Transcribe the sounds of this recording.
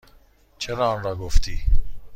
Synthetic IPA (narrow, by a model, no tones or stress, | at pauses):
t͡ʃʰeɾɑːnɾɑːɡoft̪ʰiː